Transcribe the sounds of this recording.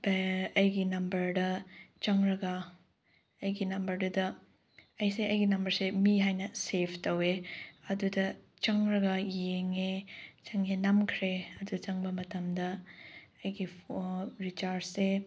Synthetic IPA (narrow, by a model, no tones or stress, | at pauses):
baɐjɡinɐmbɐɾdɐt͡ʃɐŋɾɐɡɐ | ɐjɡinɐmbɐɾdudɐ | ɐjseɐjɡinɐmbɐɾsemiɦajnɐsepʰtɐweɐdudɐ | t͡ʃɐŋɾɐɡɐjeŋet͡ʃɐŋenɐmkʰɾeɐdut͡ʃɐŋbɐmɐtɐmdɐɐjɡi | ɾit͡ʃaɾse